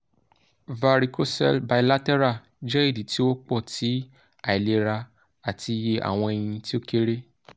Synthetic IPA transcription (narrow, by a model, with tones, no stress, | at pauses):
va˧ɾi˨ko˦sɛ̰˧lba˨i˨la˦tɛ˦ɾa˦˨ | d͡ʒɛ˦i˦˨di˨ti˦wo˦k͡pɔ˦˨ti˨˦ | a˨i˨le˧ɾa˧ | a˨ti˧je˧ʔa̰˨w̃ɔ̃˧e˨j̃ĩ˧ti˦o˦ke˦ɾe˦